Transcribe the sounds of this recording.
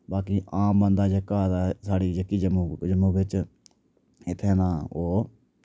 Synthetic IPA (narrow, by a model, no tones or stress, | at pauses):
baːkiːʔãːmbənd̪aːd͡ʒəkːaːd̪aːsaːɽiːd͡ʒəkːiːd͡ʒəmːd͡ʒəmuːʋɪt͡ʃ | ɪt̪ʰːeːnãːoː